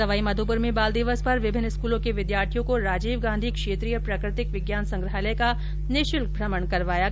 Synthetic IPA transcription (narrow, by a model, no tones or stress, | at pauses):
ɐʋaːimɐd̪ʱupʊɾmẽbaːld̪ɪʋəspɐɾʋɪbʱɪnːɪskuːlõkeʋɪd̪jaːɾt̪ʰijõkoɾaːd͡ʒiːʋɡãːnd̪ʱikʃeːt̪ɾijəpɾaːkɾɪt̪ɪkʋɪɡjaːnsɐ̃ŋɡɾəɦaleka | nɪʃɪlbʱɾɐməɳkɐɾʋaːja